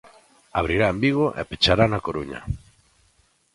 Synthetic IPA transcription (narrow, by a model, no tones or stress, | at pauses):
aβ̞ɾiɾaembiɣoʔɛ̰pet͡ʃaɾanakoɾuɲa̰